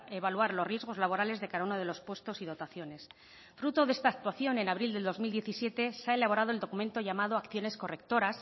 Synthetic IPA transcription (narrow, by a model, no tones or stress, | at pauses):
e̞β̞alwaɾlo̞rje̞zɣ̞o̞zlaβo̞ɾale̞zðe̞kaðaunoð̞e̞lo̞spwe̞st̪o̞siðo̞t̪aθjo̞ne̞s | fɾut̪o̞ðe̞st̪aːk̚t̪waθjo̞ne̞naβɾild̪e̞ld̪o̞zmild̪jeθisje̞t̪e̞seae̞laβo̞ɾað̞oe̞ld̪o̞kument̪o̞ʝamaðo̞akθjo̞ne̞sko̞re̞k̚t̪o̞ɾas